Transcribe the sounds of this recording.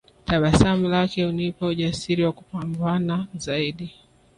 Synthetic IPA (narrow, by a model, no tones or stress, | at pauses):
taɓasam̩lakɛunipauʄasiɾiwaku̥pambanazaiɗi